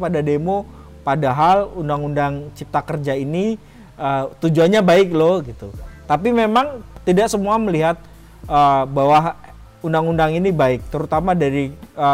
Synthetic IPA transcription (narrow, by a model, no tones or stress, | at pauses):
padademo | padaɦalundaŋundaŋt͡ʃip̚t̪akərd͡ʒaini | ət̪ud͡ʒuanɲabaɪk̚lohɡit̪ut̪apimemaŋt̪idaksəmuaməliɦat̪̚ | əːbawaɦ | undaŋundaŋinibaɪk̚t̪əɾut̪amadaɾiə